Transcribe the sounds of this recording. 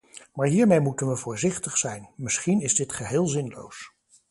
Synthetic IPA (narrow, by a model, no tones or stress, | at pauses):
maːɹɦiːɹmejmutənʋəvʊːɹzɪχtəχsɛjnmɪsχinɪzdɪtχəɦɪːlˠzɪnlo̰ws